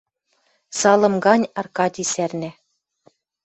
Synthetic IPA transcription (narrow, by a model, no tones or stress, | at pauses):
sɑlˠɤ̆mɡɑnʲɑrkɑd̪ʲisærnæ